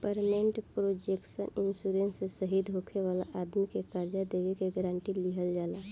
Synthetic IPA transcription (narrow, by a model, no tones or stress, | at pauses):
pəɾmeɳʈpɾod͡ʒeksə̰ninsuɾensesəɦid̪ʱɦokʰeʋala̰ʔad̪mikekəɾd͡ʒad̪eβekeɡəɾaɳʈiliɦəld͡ʒala